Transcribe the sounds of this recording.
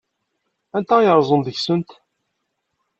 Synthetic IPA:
ænt̪æjəɾˤzˤənd̪əçsənt̪

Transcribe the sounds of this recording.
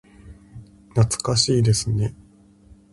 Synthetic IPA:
nat͡sɨ̥kaɕiːd̪e̞sɨne̞

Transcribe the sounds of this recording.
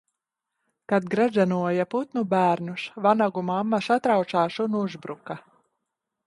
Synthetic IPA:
kad̪ɡɾazanuɔjaput̪nubæːɾnusvanaɡumamːasat̪ɾaw̪saːʃunuzbɾuka

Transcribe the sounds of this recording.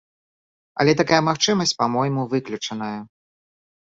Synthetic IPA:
ɐ̰lʲɛt̪akajɐmaxt͡ʂɨmɐsʲt͡sʲpamɔjmuvɨklʲut͡ʂɐn̪ɐjɐ

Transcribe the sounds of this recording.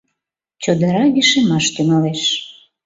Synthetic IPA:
t͡ɕod̪ə̆ɾɑɡiʃemɑʃt̪yŋɑleʃ

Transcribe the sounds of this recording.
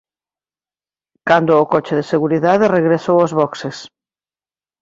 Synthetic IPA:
kand̪ʊːkɔt͡ʃɪðeseɣuɾiðaðɪreɣɾesowɔzβɔkses

